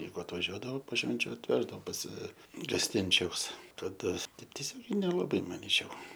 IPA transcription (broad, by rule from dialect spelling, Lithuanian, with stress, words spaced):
ˈjɛɪɡʊ ɐtʋɐˈʒʲuɔdɐʋoː poː ˈʃʲʋʲɛnʲt͡ʃʲʊ ɐtʲˈʋʲæːʒdɐʋoː pɐs ɡɐsʲˈtʲɪnʲt͡ʃʲɛʊs kɐˈdɐ ˈtɐɪp tʲiɛˈsʲoːɡʲɛɪ nʲɛlˠɐˈbɐɪ mɐˈnʲiːt͡ʃʲɛʊ